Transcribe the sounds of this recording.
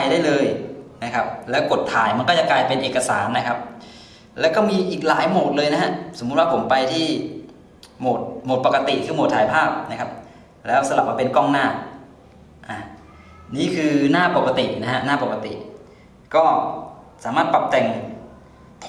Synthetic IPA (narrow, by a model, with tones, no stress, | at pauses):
jdaː˥˩jlɤː˧jna˦˥kʰa˦˥p̚lɛː˦˥wko˨˩t̪ʰːaː˩˦jma˧nkɔː˥˩t͡ɕa˨˩klaː˧jpe˧nʔeː˨˩ka˧saː˩˦nːa˦˥kʰa˦˥p̚ | lɛː˦˥wkɔː˥˩miː˧ʔiː˨˩k̚laː˩˦jmoː˨˩t̪̚lɤː˧jna˦˥ɦa˦˥so˩˦mːu˦t̪̚wa˥˩pʰo˩˦mpa˧jt̪ʰiː˥˩ | moː˨˩t̪̚moː˨˩t̪̚pa˨˩ka˧t̪i˨˩kʰɯː˧mo˨˩t̪ʰaː˨˦jpʰaː˥˩p̚na˦˥kʰa˦˥p̚ | lɛː˦˥wsa˧la˨˩p̚aː˥˩pe˧nkɔː˥˩ŋnaː˥˩ | ʔa˨˩ | niː˥˩kʰɯː˧naː˥˩po˨˩ka˧t̪ḭ˨˩ʔna˦˥ɦa˦˥naː˥˩po˨˩ka˧t̪ḭ˨˩ʔ | kɔː˥˩saː˩˦maː˥˩t̪̚pa˨˩p̚t̪ɛː˨˧˩ŋ | p̪ʰ